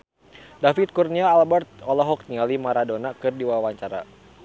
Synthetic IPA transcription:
dafit̪̚kurniaːlbɛrt̪̚ɔlɔɦɔk̚nialimaɾadonakɨrdiwawaɲt͡ʃaɾa̰

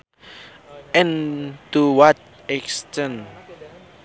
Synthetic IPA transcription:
ɛ̃ntuwat̚ | ɛkstɛ̃n

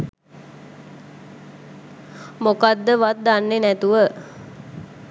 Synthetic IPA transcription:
mokad̪ːəʋat̪̚d̪anːenɛt̪uʋə

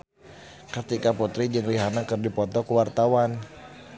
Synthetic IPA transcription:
kət̪ikaput̪ɾid͡ʒəŋliɦanakərdipɔt̪ɔkəwart̪awan

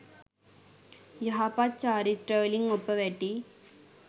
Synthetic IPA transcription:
jɐɦapat̚t͡ɕaːɾit̪ɾeʋliŋɡopːəʋɛʈi

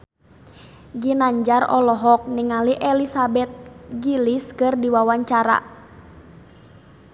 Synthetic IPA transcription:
ɡinaɲd͡ʒarɔ̰lɔɦɔk̚niŋaliʔɛlisabɛt̪̚ɡiliskɨrdiwawaɲt͡ʃaɾa̰

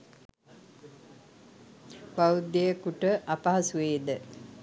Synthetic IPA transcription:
bawud̪ːejəkuʈəʔapaɦasuʋeːd̪ə

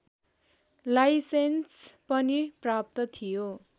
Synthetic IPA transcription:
lajsenspʌniprap̚t̪ʌt̪ʰijo

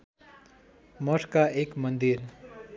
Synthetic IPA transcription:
mʌʈʰkaekmʌnd̪iɾ

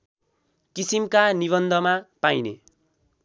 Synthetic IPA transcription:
kisimkaniβʌnd̪ʱʌmapajnḛ

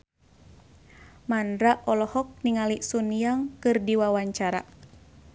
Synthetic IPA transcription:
manɾaʔɔlɔhɔk̚niŋalisuniaŋkɨrdiwawaɲt͡ʃaɾa̰

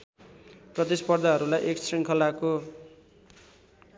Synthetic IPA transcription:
prʌt̪ispʌrd̪ʱaɦʌɾulajʔeksriŋkʰʌlako

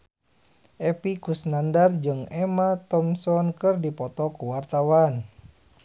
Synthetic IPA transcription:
ʔɛpikusnandard͡ʒɨŋɛmat̪ɔmsɔnkɨrdipɔt̪ɔkuwart̪awan

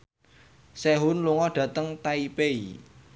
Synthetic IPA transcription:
seɦʊnluŋɔɖ̥ä̤t̪əŋt̪aipeḭ

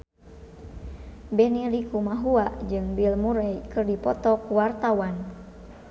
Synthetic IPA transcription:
bɛnilikumaɦuaʔd͡ʒɨŋbilmuɾɛjkɨrdipɔt̪ɔkuwart̪awan

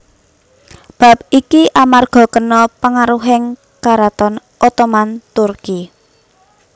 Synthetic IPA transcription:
b̥a̤p̚ikiʔamarɡ̥ɔ̤kənɔpəŋaɾuɦɪŋ | kaɾat̪ɔn | ʔɔt̪ɔmant̪urki

